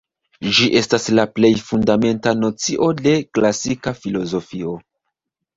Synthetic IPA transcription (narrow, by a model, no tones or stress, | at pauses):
d͡ʒiʔe̞staslaple̞jfundame̞ntano̞t͡siʔo̞de̞klasikafilo̞zo̞fio̞